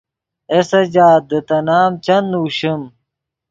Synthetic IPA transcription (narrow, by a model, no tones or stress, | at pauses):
esɐd͡ʑaːt̪̚d̪ət̪ɐnaːmt͡ɕɐnuːɕim